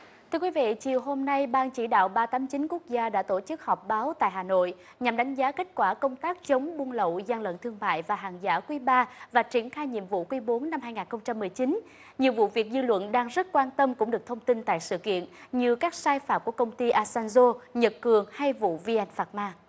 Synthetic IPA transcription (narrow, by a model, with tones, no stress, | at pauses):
t̪ʰɨ˧əkwi˨˦vḭ˧˨t͡ɕi˨˩əwɦo˧mna˧jɓaː˧ŋt͡ɕi˧˩ɗa̰ː˧˨wɓaː˧t̪aː˨˦mt͡ɕï˨˦nku˦˥ək̚zaː˧ɗa̰ː˧˥t̪o˧˩t͡ɕɨ˦˥k̚hɔ˨˩wp̚ɓaː˨˦wt̪a̰ː˧˨jɦaː˨˩no̰˧˨j | ɲa˨˩mɗa˨˦jŋ̟zaː˨˦ke˦˥t̟̚kwaː˧˩kə˧wŋ͡mt̪aː˦˥k̚t͡ɕə˨˦wŋ͡mɓu˧nlə̰˧˨wza˧nlə̰˧˨nt̪ʰɨ˧əŋma̰ː˧˨jvaː˨˩ɦa̰ː˨˩nzaː˧˥kwi˨˦ɓaː˧vaː˨˩t͡ɕi˧˩ənxaː˧jɲḭ˧˨əmvṵ˧˨kwi˧˦ɓo˨˦nːa˧mhaː˧jŋaː˨˩nxə˧wŋ͡mt͡ɕa˧mːɨ˨˩əjt͡ɕi˨˦n | ɲi˨˩əwvṵ˧˨vi˨˩ək̚zɨ˧lwə̰˧˨nɗaː˧ŋzə˦˥t̚kwaː˧nt̪ə˧mkʊ̰˧˥ŋ͡mɗɨ˨˩ək̚t̪ʰə˧wŋ͡mt̪i˧nt̪a̰ː˧˨jsɨ̰˧˨kḭ˧˨ənɲɨ˧kaː˦˥k̚saː˧jfaː˨˩m̚ku˧˩əkə˧wŋ͡mt̪i˧ʔaː˧sɛ˧nzo˧ɲə˨˩t̚kɨ˨˩əŋha˧jvṵ˧˨vi˧ʔɛ˧nfaː˨˩t̚maː˧